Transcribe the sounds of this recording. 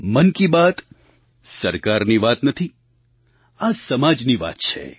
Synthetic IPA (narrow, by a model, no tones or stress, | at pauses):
mənkibat̪ | səɾkaɾniʋat̪nət̪ʰi | asəmad͡ʒniʋa̰t̪t͡ʃʰḛ